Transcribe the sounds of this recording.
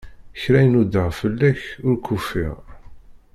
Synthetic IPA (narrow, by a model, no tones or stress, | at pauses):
çɾæjnud̪əʁfəlːæçʊɾkʰufːḭʁ